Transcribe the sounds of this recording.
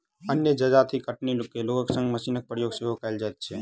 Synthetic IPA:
ənjəd͡ʒəd͡ʒat̪ʰikəʈnilkːeloːɡəksə̃ŋɡməsiːnək̚pɾəjoːɡseɦokəjld͡ʒaet̪̚t͡ʃʰe

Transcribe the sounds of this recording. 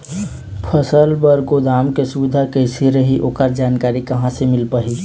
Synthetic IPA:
pʰəsəlbəɾɡod̪aːmkesuʋɪd̪ʱakəsiɾəɦiʔoːkəɾd͡ʒaːnkaːɾikɐɦãsemɪlpaːɦi

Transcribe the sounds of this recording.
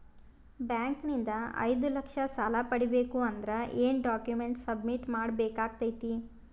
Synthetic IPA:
bjaːŋknind̪ɐɐ̰jd̪ulɐkʂɐsaːlɐpɐɽibeːkuɐnd̪ɐɾɐʔeːnɖaːkjumeɳʈsɐbmiʈmaːɽbeːkaːɡ̚t̪ɐjt̪i

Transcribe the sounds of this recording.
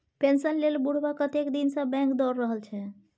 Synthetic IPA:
pensənlelbuɽ̤bakət̪ekd̪insə̃bɛ̃ŋkd̪ɔɾːəɦəlt͡ʃʰɛ

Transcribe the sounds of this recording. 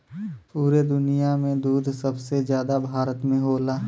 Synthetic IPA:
puːɾed̪ʊnijamẽd̪uːd̪ʱsɐbsezjaːd̪abʱaːɾət̪mẽɦoːlaː

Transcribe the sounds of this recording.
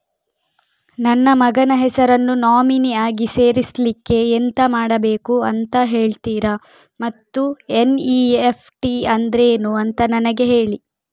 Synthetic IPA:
nɐnːɐmɐɡɐnɐɦɛsɐɾɐnːunaːminiaːɡise̞ːɾislikːe̞ːnt̪ɐmaːɽɐbe̞ːkuɐnt̪ɐɦe̞ːɭt̪iːɾɐ | mɐt̪ːueniːepʰʈiɐnd̪ɾeːnuɐnt̪ɐnɐnɐɡe̞ɦe̞ːɭi

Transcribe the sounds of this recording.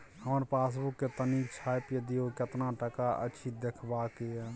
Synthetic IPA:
həməɾpas̬bukːet̪ənikt͡ʃʰajpjed̪ijoket̪naʈəkaʔə̰t͡ʃʰid̪ekʰbake

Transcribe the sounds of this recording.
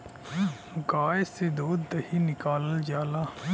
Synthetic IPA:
ʊkaːesed̪oːd̪ːɐɦinɪkaːləld͡ʒaːlaː

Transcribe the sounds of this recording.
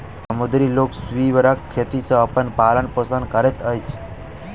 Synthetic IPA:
səmod̪ɾiloksʋiʋəɾakʰːet̪isə̃əpənpalənpəsənkəɾet̪əjt͡ʃʰ

